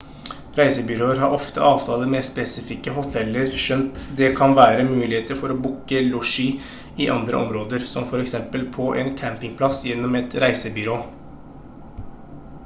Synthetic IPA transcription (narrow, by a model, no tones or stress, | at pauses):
ɾæɪsəbʏɾoːəɾɦɑɾʔɔft̪ə̰ʔɑːʋt̪ʰɑːləmespɛsɪfɪkːəɦʊt̪ʰɛlːəɾʃœnt̪d̪ɛkʰɑnʋæːɾəmʉːlɪheːt̪əɾfɔɾɔbʊkːəluʂi | ɪʔɑ̰nd̪ɾə̰ʔɔ̰mɾoːd̪əɾsɔmfɔɾɛksɛmpəlpʰɔʔɛnkʰæmpɪŋpʰlɑsjɛnːɔmɛt̪ɾæɪsəbʏɾoː